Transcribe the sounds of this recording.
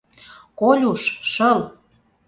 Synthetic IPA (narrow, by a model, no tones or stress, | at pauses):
kolʲuʃʃɤl